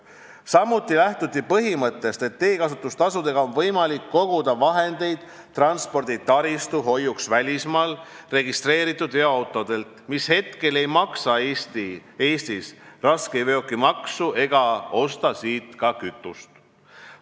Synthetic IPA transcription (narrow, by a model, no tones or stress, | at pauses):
sɑmːut̪ːˑilæht̪ut̪ːˑipɤɦimɤt̪ːˑe̞st̪e̞t̪ːe̞ːkɑsut̪ˑːust̪ɑsud̪e̞ɡ̥ɑo̞nvɤjmɑlikːo̞ɡ̥ud̪̥ɑvɑɦe̞nd̪e̞jd̪̥ | t̪ːrɑnspo̞rd̪it̪ɑɾist̪uɦo̞jːuksvælʲismɑːlre̞ɡist̪re̞ːɾit̪ːˑud̪̥eoɑwt̪ˑo̞d̪̥e̞lt̪mishe̞t̪ke̞le̞jmɑksɑest̪ieːst̪isrɑskejve̞o̞kːimɑksuʔe̞ɡ̥ɑo̞st̪ɑsiːt̪kɑkyt̪ːˑust̪